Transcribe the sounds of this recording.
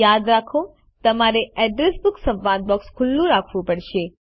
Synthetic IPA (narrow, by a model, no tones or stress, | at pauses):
jad̪ɾakʰo | t̪əmaɾeɛɖɾesbʊksə̃ʋãnd̪̚bɔkskʰʊlːũɾakʰʋũpəɽʃe